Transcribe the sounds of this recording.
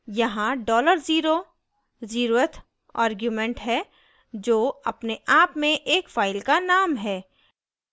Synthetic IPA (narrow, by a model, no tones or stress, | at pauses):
jɐɦãɖɔːləɾziːɾo | ziːɾoət̪ʰ | a̰ːɾɡjumɛ̃ɳʈɦɛ | d͡ʒoːɐpneʔaːpmẽʔeːkfaːɪlkanaːmɦɛː